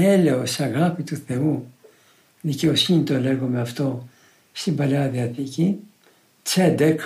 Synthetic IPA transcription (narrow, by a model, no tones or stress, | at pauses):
ele̞osɐɣɐpit̪uθe̞u | ðice̞o̞sinit̪o̞leɣome̞ɐft̪o̞ | st̪imbɐleɐðiɐθici | t͡sed̪ek